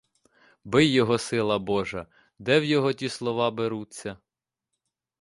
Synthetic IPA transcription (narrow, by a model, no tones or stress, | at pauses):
bɪjːɔɦɔsɪlˠɐbɔʒɐ | d̪ɛwjɔɦɔtʲislˠɔʋɑbeɾut͡sʲːɐ